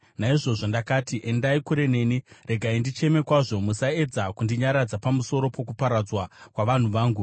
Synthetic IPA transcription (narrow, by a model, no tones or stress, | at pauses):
naiʐo̞ʐo̞ndakaːtiʔendaikuɾe̞ne̞ːnire̞ɡʱaindit͡ʃe̞me̞kwaʐo̞musae̞d͡zakundiɲaɾad͡zapamuso̞ɾo̞po̞kupaɾad͡zwakwaʋan̤uʋaːŋɡu